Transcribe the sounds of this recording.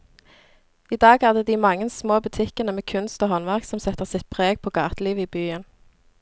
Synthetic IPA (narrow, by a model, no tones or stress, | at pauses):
iːd̪ɑːɡhɑd̪əd̪iːmɑŋənsmoːbʉt̪ʰɪkənəmeːkʰʉnst̪oːhɔnʋæʁksɔmsɛt̪əʁsɪt̪̚pʰʁeːɡ̚pʰoːɡɑːt̪əliːʋəiːbyːən